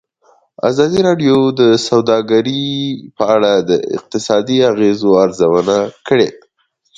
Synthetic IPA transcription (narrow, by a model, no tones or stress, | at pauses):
a̰zɑd̪iɾɑɖjod̪əsawd̪ɑɡaɾipəaɽad̪ə̰ɪ̰q̚t̪ɪsɑd̪iaɣezoaɾzawənakəɽea